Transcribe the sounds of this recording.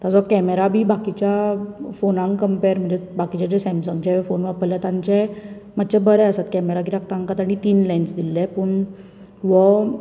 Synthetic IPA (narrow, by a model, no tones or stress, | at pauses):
t̪ad͡zɔkɛmeɾabʱiːbakit͡ɕjafonãŋkkəmpeɾm̤əɳd͡zebakit͡ɕad͡ʑesɛ̃msəŋɡt͡ɕɛ̃fonʋapəljat̪ãɲt͡ɕɛ̃mat̪ːt͡ɕɛ̃bəɾɛəsat̪kɛmeɾakiɾakt̪ãŋkat̪aɽ̃it̪iːnlɛnsd̪ilːɛ̃pəɳ | ʋɔ